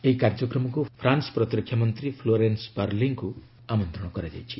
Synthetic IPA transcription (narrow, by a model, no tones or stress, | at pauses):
eɦikaɾd͡ʒɔkɾɔmɔkupʰɾansɔ̥pɾɔt̪ɾɔkʰjamɔnt̪ɾipʰloɾenspaɾliŋku | amɔnt̪ɾɔɽ̃ɔkɾad͡ʒa̰jt͡ʃʰi̥